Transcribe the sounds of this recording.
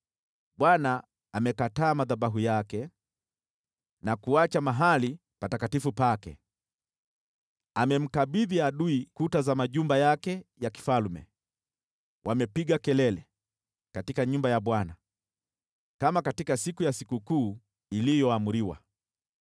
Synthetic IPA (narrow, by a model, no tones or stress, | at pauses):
ɓwanaː | mɛkataːmaðaɓaɦujakɛ | nakuat͡ʃamaɦali | patakatifupakɛ̰ | amɛm̩kaɓiðiaɗuikutazamaʄumbajakɛjaki̥falmɛ̰ | wʔamɛpiɠakɛlɛlɛ | katikaɲumbajaɓwana | kamakatikasikujasikukuː | ilijɔamuɾiwa̰